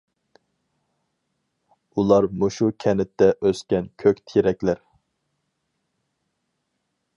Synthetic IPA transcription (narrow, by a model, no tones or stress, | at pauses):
ulˠɑɾmuʃukʲʰɛnɪt̪ʰːɛʔøskʲɛnkʲʰøkʲt̪ʰiɾɛkʲlæɾ